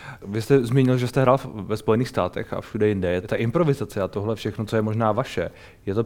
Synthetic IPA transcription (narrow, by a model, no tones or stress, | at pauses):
vɪst̪ɛzmiːɲɪlʒɛst̪ɛɦɾaːlvɛspo̞jɛniːxst̪aːt̪ɛ̰xa̰fʃudɛjɪndɛjɛt̪aʔɪmpɾo̞vɪzat͡sɛat̪oɦlɛfʃɛxnot͡sojɛmoʒnaːvaʃɛ | jɛt̪o̞